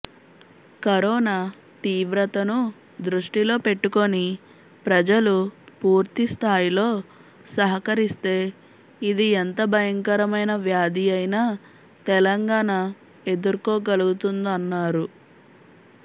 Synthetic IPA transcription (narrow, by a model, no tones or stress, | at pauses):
kɐɾɔːnaː | t̪iːʋɾɐt̪ɐnu | d̪ɾuʂʈilo̞ːpe̞ʈːuko̞ni | pɾɐd͡ʒɐlupuːɾt̪ist̪ʰaːjilo̞ː | sɐɦɐkɐɾist̪e̞ː | id̪ient̪ɐbʱɐjɐŋkɐɾɐmɐjnɐʋjaːd̪iɐjnaː | t̪ɛlɐŋɡaːɳa | e̞d̪ɐɾukoːɡɐluɡut̪und̪ɐnːaːɾu